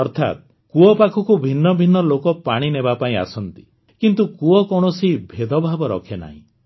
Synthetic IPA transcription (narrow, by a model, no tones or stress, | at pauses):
ɔɾt̪ʰa̰t̪̚ | kuɔpakʰɔkubʱinːɔbʱinːɔlokɔpaɽ̃inebapaĩa̰sɔnt̪i̥ | kint̪ukuɔkɔɽ̃ɔsibʱed̪ɔbʱabɔɾɔ̰kʰena̰ɦḭ̃